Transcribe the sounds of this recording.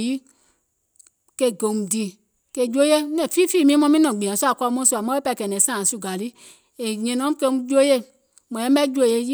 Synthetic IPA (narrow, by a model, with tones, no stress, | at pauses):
ji˦ | ke˧˨ɡo˨m˨di˧˨ | ke˧˨d͡ʒu˦o˦je˦nɛ̃˨fiː˦fiː˦˨mĩ˦mɔ̃˧mĩ˦nɔ̃˨ɡ͡bĩ˨ã˨su˦a˨ka˧˦mɔ̃˦su˧˨a˨mɔ̃˦e˦pa˧˨˧kɛ˨nɛ̃˨˦sãː˦˨su˧˨ɡa˨li˦ | e˨ɲɛ̃˧nɔ̃˨˦kɛ˧˦d͡ʒo˦je˦˨ | mɔ̃˨ɛ̃˦ɛ˦d͡ʒu˦o˧˦˨je˧ji˦